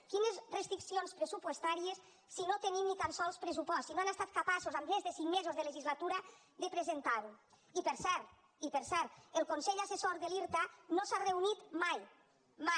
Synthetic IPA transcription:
kinezrest̪ɾiksionspɾesupwest̪aɾiesː | inot̪enimnit̪ansɔlˠspɾesupɔst̪sinoanest̪at̪̚kapasozamezðəsiŋmezozðələʒizlat̪uɾə | ðəpɾezent̪aɾu | ipəɾsɛɾt̪ | ipeɾsɛɾt̪elˠkonseʎasesoɾðeliɾt̪anosareunit̪maj | ma

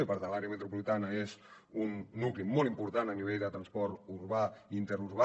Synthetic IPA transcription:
ipaɾðəlaɾeəmət̪ɾupulit̪anəez | unːuklimɔlˠimpuɾt̪anəniβ̞eʎd̪ət̪ɾənspɔɾt̪uɾβaint̪əɾuɾβa

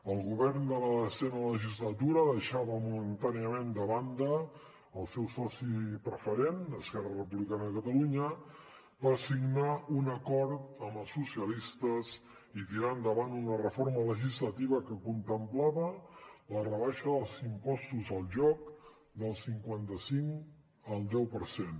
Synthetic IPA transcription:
əlˠɣuβɛrnd̪ələðəzɛnələʒizlət̪uɾəðəʃaβəmumənt̪aniəmend̪əβand̪əː | lˠsɛwsɔsipɾəfəɾenəskɛrərəpuβlikanəðəkət̪əluɲə | pəsiɡnaunəkɔɾt̪əməlˠsusiəlist̪əz | it̪iɾand̪əβanunərəfoɾmələʒizlət̪iβəkəkunt̪əmplaβələrəβaʃəðəlˠzimpɔst̪uzəlˠʒɔk | d̪əlˠsiŋkwant̪əsiŋ | əlˠd̪ɛwpəɾsen

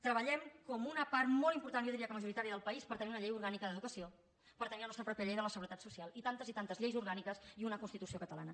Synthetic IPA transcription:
t̪ɾəβəʎɛmkɔmunəpaɾt̪mɔlˠimpuɾt̪anjɔðiɾiaəkəməʒuɾit̪aɾiəðəlˠpəispəɾt̪əniunəʎejuɾɣanikəðəðukəsio | pəɾt̪ənilənɔst̪ɾəpɾɔpjəʎejðələsəɣuɾət̪at̪susialˠit̪ant̪əzit̪ant̪əzʎejzuɾɣanikəsiunəkunst̪it̪usiokət̪əla̰nə

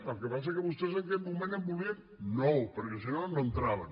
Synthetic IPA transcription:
t̪alkepas̬ekeβust̪ezeŋkemumẽnembuβiŋ | nopəɾkesinonoent̪ɾaβan

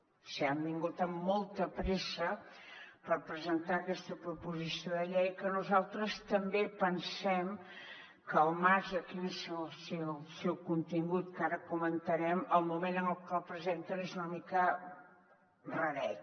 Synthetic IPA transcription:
siambiŋɡut̪əmːɔlˠt̪əpɾesə | pəɾpɾəzənt̪aəkɛst̪əpɾupuzisioðəʎɛjkənuzalˠt̪ɾəst̪əmbepənsɛm | kəlˠmaɾzəkinəslˠsɛsɛwkunt̪iŋɡut̪̚kaɾəkumənt̪əɾɛməlˠmumenənəlˠkəlˠpɾəzent̪ənezunəmikə | rəɾɛt̪

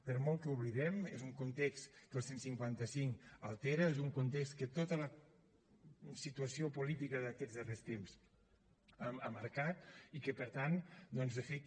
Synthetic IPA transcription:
pəɾmɔlˠkəuβliðɛmezuŋkunt̪ɛkskəlˠsensiŋkwant̪əsiŋkəlˠt̪eɾəezuŋkunt̪ekskət̪ot̪ələ | sit̪uəsiopulit̪ikəðəkɛzðərest̪ems | aməɾkat̪̚ikəpəɾt̪and̪ɔnzəfe

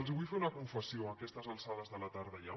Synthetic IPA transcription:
lˠzβujfeunəkuɱfəsioəkɛst̪əzəlˠsaðəzðələt̪aɾðəja

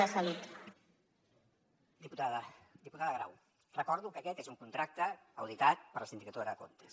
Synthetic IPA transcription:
əsəlit̪ | d̪iput̪aðəd̪iput̪aðəɣɾa̰w | rəkɔɾðukəkɛt̪ezuŋkunt̪ɾak̚t̪əːwð̞it̪at̪̚pəɾləsind̪ikət̪oðɾðəko̰nt̪ə̥s

